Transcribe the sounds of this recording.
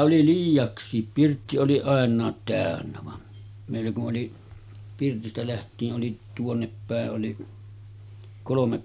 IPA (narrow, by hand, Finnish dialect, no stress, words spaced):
oli liːjˑɑksˑiːp pirtːi oli ɑˑenˑɑːt tæˑønːæ ʋɑn meˑilːæ kuʔ ʔoli pirtistæ læhtˑiːʔ ʔoli tuonːepːæˑeʔ ʔoli kolomek